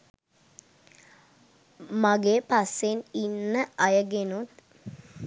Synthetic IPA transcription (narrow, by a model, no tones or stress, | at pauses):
maɡeːpaseninːəajəɡenut̪